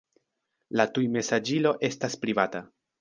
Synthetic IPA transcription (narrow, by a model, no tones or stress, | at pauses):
latujme̞sad͡ʒilo̞ʔe̞staspɾivata